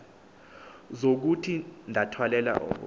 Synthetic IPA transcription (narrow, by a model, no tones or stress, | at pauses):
zok̬utʰindʱatʰwalɛla̰ʔɔ̰